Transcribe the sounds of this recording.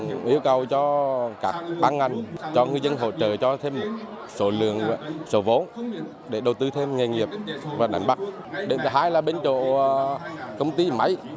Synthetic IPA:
ʔi˧˦əwkə˨˩wt͡ɕɔ˧kaː˦˥k̚ɓaː˧nŋa˨˧˩jŋ̟t͡ɕɔ˧ŋɨ˧jzə˧nɦo̰˧˨t͡ɕə̰ː˧˨˩t͡ɕɔ˧t̪ʰe˧mːo˨˩t̚ | so˧˩lɨ̰˧˨əŋ˧˨˩so˧˦vo˨˦n | ɗe˧˩ɗə˨˩wt̪ɨ˧t̪ʰe˧mŋe˨˩jŋi˨˩əp̚vaː˨˩ɗa̰˨˩jŋ̟ɓa˦˥k̚ | ɗe˨˩nt̪ʰɨ˨˩ɦaː˧jlaː˨˩ɓe˧nt͡ɕo̰˧˨kə˧wŋ͡mt̪i˧ma˨˦j

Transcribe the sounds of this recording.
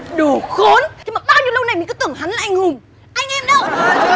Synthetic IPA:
ɗu˨˧˩xo˨˦nt͡ɕi˨˧˦maː˨˩ɓaː˧wɲ˧˥lə˧wna˨˩jmi̟˨˩kːt̪ɨ˧˩əŋha˨˦nlaː˨˩ʔa˧jŋ̟hʊ˨˩ŋ͡m | ʔa˧jŋ̟ʔɛ˧mɗə˨˧˦w

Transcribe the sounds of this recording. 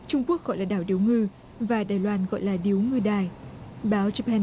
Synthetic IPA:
t͡ɕʊ˧ŋ͡mku˦˥ək̚ɣɔ̰˧˨jlaː˨˩ɗaː˧˩wɗi˨˦wŋɨ˧ | vaː˨˩ɗaː˨˩jlwaː˧nɣɔ̰˧˨jlaː˨˩ɗi˨˦əwŋɨ˧ɗaː˨˩jɓaː˨˦wt͡ɕə˧pʰɛ˧n

